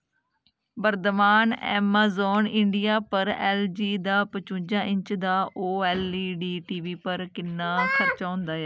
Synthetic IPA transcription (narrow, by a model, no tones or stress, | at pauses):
bəɾt̪əmaːnɛ̰ːmaːzoːnɪɳɖɪjaːpəɾɛːld͡ʒiːd̪aːpət͡ʃũːd͡ʒãːʔɪ̃ɲt͡ʃd̪aːʔoːɛːliːɖiːʈiːʋiːpəɾkɪnːaːkʰəɾt͡ʃaːɦʊ̃nd̪aːɛː